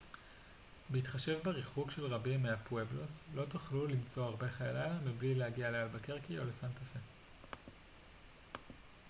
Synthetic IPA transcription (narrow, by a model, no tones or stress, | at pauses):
beit̪χaʃe̞vbeʁiχukʃe̞lʁabimːeapwebloslo̞tuχlulimt͡so̞aʁbe̞χajalalamiblilehaɡialealbakeʁkio̞̰lesantafe